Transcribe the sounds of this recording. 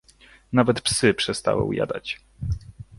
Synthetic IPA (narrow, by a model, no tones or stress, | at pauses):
navɛt̪psɘpʂɛst̪a̰wɛ̰uja̰d̪a̰t͡ɕ